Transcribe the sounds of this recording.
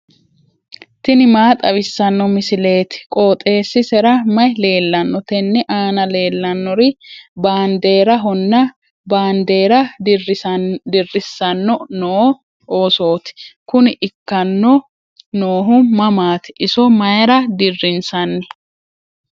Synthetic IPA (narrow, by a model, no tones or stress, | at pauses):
t̪ɪnɪmaːt̪ʼɐwɪsːɐnːɔmɪsɪle̞ːt̪ɪ̥kʼoːt̪ʼe̞ːsːɪsɛɾɐmɐjle̞ːlːɐnːɔt̪ɛnːɛʔaːnɐle̞ːlːɐnːɔɾɪbaːnd̪e̞ːɾɐɦɔnːɐ | baːnd̪e̞ːɾɐ | d̪ɪrːɪsːɐnːɔnoː | ʔoːso̞ːt̪ɪ̥kʊnɪʔɪkːɐnːɔ | noːɦʊmɐmaːt̪ɪ̥ʔɪsɔmɐjɐɾɐd̪ɪrːɪnsɐnːɛ